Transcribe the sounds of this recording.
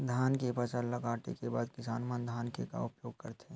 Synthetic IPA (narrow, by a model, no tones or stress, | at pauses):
d̪ʱaːnkepɐt͡ʃəɾlɐɡaːʈḛkebaːd̪kɪsaːnmənd̪ʱaːnkeka̰ʊpjoːɡkɐɾt̪ʰeː